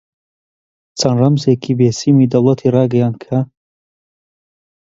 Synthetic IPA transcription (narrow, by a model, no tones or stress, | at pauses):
t͡sɐnrɐmzeːkʰibeːsiːmiːd̪ɐwlˠɐt̪ʰiːrɑːɡɐjaːnd̪̚kʰa